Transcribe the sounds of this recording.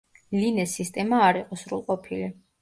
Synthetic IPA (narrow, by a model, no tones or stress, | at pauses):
linɛsːist̪ʼɛmaːɾiqʼɔsɾṵlˠqʼɔpʰili